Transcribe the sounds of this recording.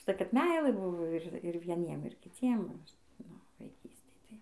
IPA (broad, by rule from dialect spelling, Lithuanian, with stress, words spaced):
ʊʃˈtɐɪ kɐt ˈmʲɛɪlˠɘˈbʊʋoː ɪr ʋʲiɛˈnʲiɛm ɪr kʲɪˈt͡sʲiɛm ʋɐ ˈɐʃ ˈnʊ ʋɐɪˈkʲiːsʲtʲeːj tɐɪ